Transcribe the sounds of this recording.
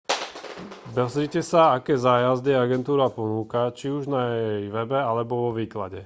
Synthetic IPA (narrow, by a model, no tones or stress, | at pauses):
bɛzɾicɛsaakɛːzaːjazd̪iɛaɡɛnt̪uːɾapɔnuːkat͡ʃiuʒnajɛjʋɛbɛalɛbɔʋɔʋiːkla̰ɟɛ